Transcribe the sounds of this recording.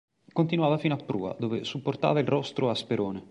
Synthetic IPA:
kont̪inwaːvafinoapːɾṵːa̰d̪oːvesupːort̪a̰ːvailrɔst̪ɾʔoaspeɾoːne

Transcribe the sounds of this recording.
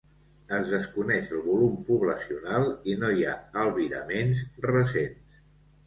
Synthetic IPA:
əzðəskunɛʃəlˠβulumpuβləsiunalˠinojaəlˠβiɾə̰mensrəsens

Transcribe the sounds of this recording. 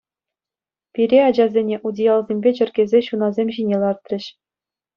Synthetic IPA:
pʲiɾʲeɑd͡ʑɑzʲenʲeʔudʲijɑlˠzʲemʲbʲet͡ɕɘ̆rʲɡʲezʲeɕunɑzʲemʲʑinʲelˠɑrt̪rʲɘ̆ɕ

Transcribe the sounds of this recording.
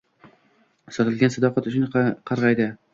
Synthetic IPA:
sɒt̪ɪlɡʲansɑd̪ɒqɑat̪ʊt͡ʃɪnqʰɑɾʁɑjd̪ɪ

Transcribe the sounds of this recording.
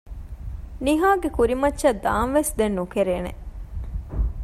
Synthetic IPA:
niɦaːɡekuɾimɐtːʃɐd̪aːnʋesd̪enːukeɾeːnḛ

